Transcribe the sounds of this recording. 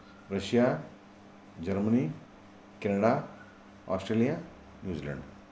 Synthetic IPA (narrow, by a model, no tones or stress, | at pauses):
ɾəɕija | d͡ʑəɾməni | kenəɽa | ɔ̰sʈɾelija | njuːd͡ʑilə̰ɳɖ